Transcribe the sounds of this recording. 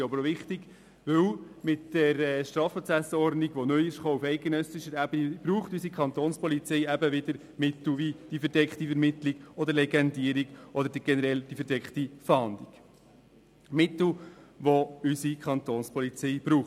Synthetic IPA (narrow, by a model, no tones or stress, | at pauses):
ɑbəɾʋɪχt̪iɡ | ʋɪwmɪtːəɾɛʃt̪ɾɑːfɔt͡sæsəɔɾdniɡ̥ʋɔnœjɪʃχoːufɛɪt̚ɡ̥ɛnœsɪʃəɾæb̥ənib̥ɾuːχtysikʰχɑnt̪oːnspɔlit͡sɛɪæbəʋɪd̪əɾ | mɪt̪l̩ʋid̥ifəɾdɛkχt̪ifəɾmɪt̪liɡ̥ɔd̪əɾlɛɡɛnd̪iəɾiɡ̥ʔɔd̪əɾdiɡɛnəɾɛld̥ifəɾdɛkχtifɑnd̪iɡ̥ | mɪt̪l̩ʋoysikʰɑnt̪oːnspʰɔlit͡sɛɪb̥ɾuːχ